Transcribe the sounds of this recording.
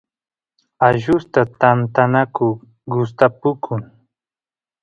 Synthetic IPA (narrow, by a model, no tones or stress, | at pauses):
aʒʊst̪at̪ant̪anakʊ | ɡʊst̪apʊkʰʊŋ